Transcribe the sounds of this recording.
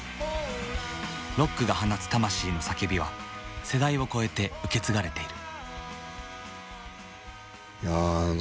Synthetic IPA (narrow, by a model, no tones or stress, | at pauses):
ɾo̞kːɯ̟ɡahanasɨ̥t̪amaɕiːno̞sake̞bʲiβa̰se̞d̪aio̞ko̞e̞t̪e̞ɯ̟ke̞t͡sɨɡaɾe̞t̪e̞iɾɯ̟̥ | ja